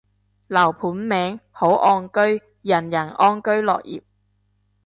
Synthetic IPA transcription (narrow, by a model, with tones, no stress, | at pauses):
lɐ˨˩wpʰuː˨˥nmɛː˨˥ŋho˨˥wʔɔː˧nkɵ˥ɥ | jɐ˨˩njɐ˨˩nʔɔː˥nkɵ˥ɥlɔ̰ː˨k̚jḭː˨˩p̚